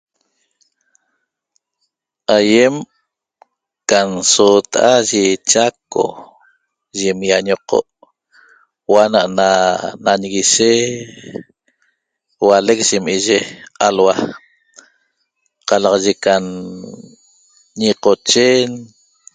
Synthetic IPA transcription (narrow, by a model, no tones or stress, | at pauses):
ajem | kansot̪aʔaʒet͡ʃako̰ | ʒemjaɲoqo̰ʔ | wanaʔnanaɲɣiʃe | walek̚ʒ̥imiʒealwa | qɑlɑʁɑʒekan | ɲiqot͡ʃen